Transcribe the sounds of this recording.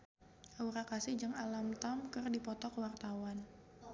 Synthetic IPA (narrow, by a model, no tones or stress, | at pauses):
ʔauɾakasɪhd͡ʒaŋalamt̪amkɨrdipɔt̪ɔkwart̪awan